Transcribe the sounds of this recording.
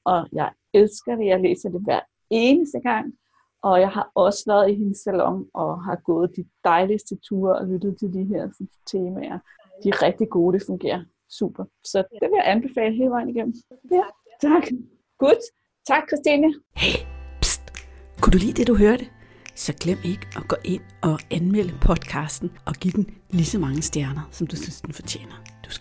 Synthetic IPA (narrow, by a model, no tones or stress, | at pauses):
ʔɒ̽jɑ̈ɪ | elsɡ̥ɐɾ̥e̝jɑɪlḛːsɐd̥e̝ʋæɐ | e̝ːnəsd̥əɡ̥ɑ̈ŋ̰ | ʔɒ̽jɑ̈ɪɦɑ̈ʔɒ̽səʋæɐðˠiɦe̝nəsːælɒ̽ŋʔɒ̽ɦɑ̈ɡ̥ɔ̽ːð̞̩ˠd̥id̥ɑ̈ɪlisd̥ət͡sʰuːɐɒ̽lyd̥ð̞̩ˠt͡sʰe̝ld̥iɦeɐ̰sɒnt͡sʰe̝ːmæʔɐ | d̥iʁɛɡ̥̚d̥iɡ̥o̝ːd̥e̝fɔ̽ŋɡ̥e̝̰ːɐ | sṵːb̥ɐ | sɒ̽d̥e̝ʋe̝jaʔænb̥e̝fɛ̰ːləɦe̝ːləʋɑ̈ɪ̰niɡ̥en̰m̩ | t͡sʰɑɡ̥ | ɡ̥ud | t͡sʰɑ̈ɡ̥̚kʰʁɛsd̥inəhepskʰud̥ulḭːd̥e̝d̥uɦøːɐd̥ə | sɒ̽ɡ̥lem̰jeɡ̥ʔɒ̽ɡ̥ɒ̰ːʔe̝n̰ɒ̽ʔænmel̰əpʰɒ̽d̥kʰɑ̈sd̥n̩ʔɒ̽ɡ̥id̥n̩lisɒmɑ̈ŋəsd̥jæɐnɐsɒ̽md̥usynsd̥n̩fɒ̽t͡ɕʰjḛːnɐd̥u̥s